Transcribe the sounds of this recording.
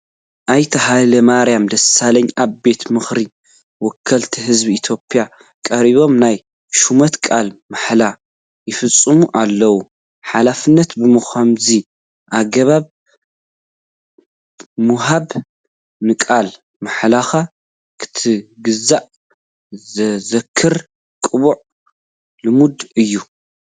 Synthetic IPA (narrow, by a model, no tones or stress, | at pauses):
ʔajt̪ʰɐɦalɐmaɾjamd̪ɐsalɐɲaβbe̞t̪mɨxɾi | wɔkʰːɐlt̪ʰiɦɨzbiit̪ʰjo̞pʼːja | kʼɐɾiβo̞mnaj | ʃumɐt̪kʼalmaħla | jɪfɨt͡sʼːɨmuʔalːɐwu | ħalafɨnːɐt̪bɨmɨxʷamzi | ʔaɡɐβaβ | muɦaβ | nɨkʼal | maħlaxa | kʰɨ̥t̪ʰɨɡɨzaʔ | zɐkʰːɨɾ | kʼɨβuʕ | lɨmud̪ɨjːu